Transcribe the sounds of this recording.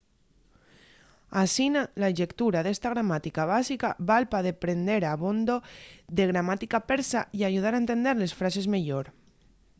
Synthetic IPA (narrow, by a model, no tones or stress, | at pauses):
asinalaʒekt̪uɾaðest̪aɣ̞ɾamat̪ikaβ̞asikaβalpaðepɾend̪eɾaβond̪oðeɣɾamat̪ikapeɾsaiaʒuð̞aɾaent̪end̪eɾlesfɾasezmeʎoɾ